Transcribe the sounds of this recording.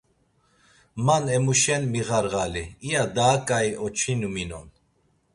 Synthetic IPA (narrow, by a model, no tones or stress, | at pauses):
manɛmuʃɛnmiɣaɾɣaliijad̪aːkʼajɔt͡ʃʰinuminɔ̰n